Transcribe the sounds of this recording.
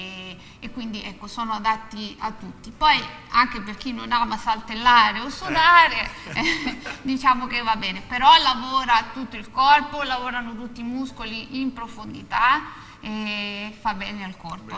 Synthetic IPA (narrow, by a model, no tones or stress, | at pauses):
ekːwind̪iɛkːosoːnoad̪at̪ːiat̪ːut̪ːipɔjaŋkeperk̟inːonaːmasalt̪elːaːɾeosːod̪aɾe | d̪it͡ʃaːmok̟evːabɛːnepeɾɔlavoːɾat̪ut̪ːoilkɔrpolavoːɾanot̪̬ut̪ːiːmuskoliʔimpɾofond̪it̪a | efabːɛːnealkɔrpo